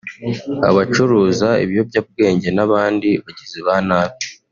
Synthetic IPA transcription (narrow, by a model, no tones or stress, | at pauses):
a̰βat͡ʃuɾuːzaḭβijo̞bɟab̚ɡe̞ːɲɟe̞naβaːndiβaɟiziβanaːβi̥